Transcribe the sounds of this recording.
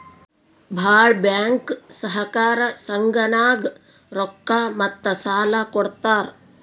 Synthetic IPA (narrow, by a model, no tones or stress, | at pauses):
bʱaːɭbjaːŋksɐɦɐkaːɾɐsɐŋɡɐnaːɡ | ɾɔkːaːmɐt̪ːɐsaːlakɔɽt̪aːɾ